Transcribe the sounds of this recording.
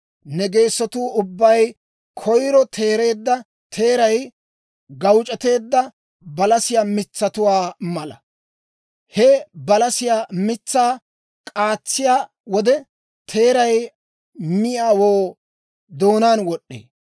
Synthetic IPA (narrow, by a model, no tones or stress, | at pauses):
nɛɡe̞ːsːɔt̪uːʔʊbːɐj | kʰɔjɾɔt̪ʰe̞ːɾe̞ːd̪ːɐ | t̪ʰe̞ːɾɐj | ɡɐwt͡ʃʼɛt̪e̞ːd̪ːɐ | bɐlɐsɪjaːmɪt͡sːɐt̪ʊwaːmɐlɐ | hɛbɐlɐsɪjaːmɪt͡sːaː | kʼaːt͡sːɪjaː | wɔd̪ɛ | t̪ʰe̞ːɾɐj | mɪjaːwoː | d̪o̞ːnaːnwɔɗːḛː